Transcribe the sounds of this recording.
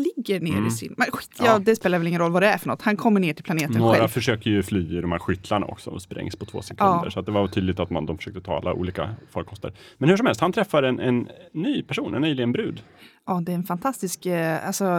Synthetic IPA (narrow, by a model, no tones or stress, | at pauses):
lɪɡːəɾɳḛːɾɪsɪ̰nmɛnɧit̪ːjɑd̪ɛspeːlaɾvɛlɪŋənɾɔlːvad̪ɛæɾfœɳɔt̪ːhankʰɔmːəɳeːʈʰɪlpʰlaneːt̪ənɧːɛɾafœʂøːkəɾjɵflyːɪd̪ɔmhæ̰ːɾɧʏt̪ʰlaɳa̰ʔɔ̰ksɔɔspɾʔɛ̰ŋspʰɔt̪ʰvo̰ːsɛkʰɵːnːd̪ə̰ɾʂɔat̪̚d̪ɛvaɾt̪ʰyːd̪lɪt̪at̪mand̪ɔmfœ̥ʂøːkt̪ət̪ʰɑ̰ːa̰lːaʔṵːliːka̰fɔlkʰɔst̪ə̰ɾ | mɛnhɵʂ̬ɔmɛlst̪hant̪ʰɾɛfːaɾɛnʔɛnːyːpʰæʂuːnʔɛ̰nːyːjlɪɡənbɾʉ̟ːd̪ | ʔɑːd̪ɛːɾɛnfant̪ʰast̪ɪskalsɔ